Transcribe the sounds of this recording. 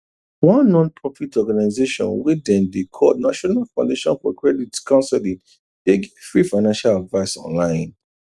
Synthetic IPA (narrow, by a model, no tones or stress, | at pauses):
wãnːɔ̃npʰɹɔfitʰɔɡanaɪzeʃɔ̰̃nwedɛ̃ndekʰɔdnaʃɔnalfãʊ̃ndeʃɔ̰̃nfɔkɹɛditskʰãʊ̃nsɛlĩ | d̥eɡfɹifaɪnãnʃaladvaɪsɔ̰̃nlãɪ̃n